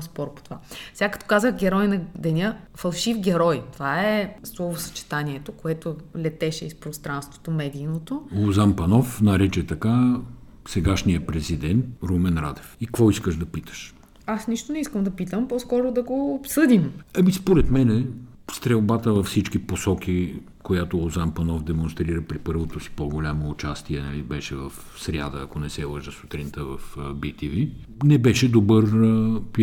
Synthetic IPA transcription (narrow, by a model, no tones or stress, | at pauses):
spɔɾpo̥t̪ovasɛɡakɐ̥t̪ɔ̥kazəxɡ̟ʲɛɾɔjnɐd̪ɛnʲəfɐlˠʃifɡʲɛɾɔjt̪ovaɛslˠɔvosɐ̥t͡ʃɛ̥t̪anʲiɛt̪okoɛt̪olʲɛt̪ɛʃɛispɾost̪ɾanst̪vo̥t̪omɛd̪iːnot̪ozampɐnɔfnɐɾɛt͡ʃɛt̪ɐka | sɛɡaʃniəpɾɛzid̪ɛnt̪ɾumɛnɾa̰d̪ɛfikvɔiskəʒd̪ɐpit̪ə̥ʃ | asniʃt̪onɛiskəmd̪ɐpit̪əmpɔskɔɾod̪ɐɡoːpsɤd̪imɐmispoɾɛt̪mɛnɛ | st̪ɾɛlˠbat̪əvɐfsit͡ʃk̟iposɔk̟i | kojat̪oozanpɐnɔvd̪ɛmõnst̪ɾiɾəpɾipɤɾvot̪osi̥poɡolʲamoːt͡ʃast̪iɛnɐ̰libɛʃɛvɐf | sɾʲa̰d̪əɐkonɛsɛlˠəʒəso̥t̪ɾint̪əvɐfbit̪ivi | nɛbɛʃɛd̪obɤɾp